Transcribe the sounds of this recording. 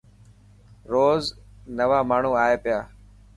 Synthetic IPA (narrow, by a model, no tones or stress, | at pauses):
ɾoːznəʋaːmaːɳ̤ũːaːeːpɪjaː